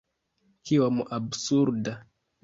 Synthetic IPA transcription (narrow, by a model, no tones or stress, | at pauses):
kiwamuʔabsuɾda